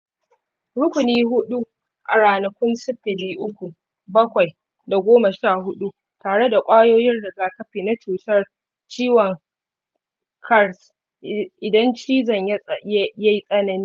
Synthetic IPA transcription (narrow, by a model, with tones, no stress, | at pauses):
ɽʊ˦kʷʊ˨niː˦ɦʊ˦ɗu˦ | ʔa˨ɽaː˨nɐ˨kʷʊ˦nsɪ˦ɸɪ˨liː˦ʔʊ˦kʷu˨ | bɐ˦kʷa˨j | da˨ɡʷoː˦ma˨ʃaː˦˨ɦʊ˦ɗu˦ | taː˨ɽe˦da˨kʷʼaː˦joː˦jɪ˦rdɐ˨ɡaː˦kɐ˦ɸiː˨na˦t͡ʃuː˨tɐ˦r | t͡ʃiː˦wɔ˨ŋ | kʰɐ˦rs | ʔɪ˨dɐ˦nt͡ʃiː˦zɐ˨ɲjja˦ji˦sʼɐ˦nɐ˦niː˦